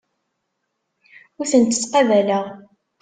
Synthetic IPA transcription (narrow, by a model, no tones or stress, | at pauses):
ʊɾθənt̪ːə̥t͡sːqɑvælæʁ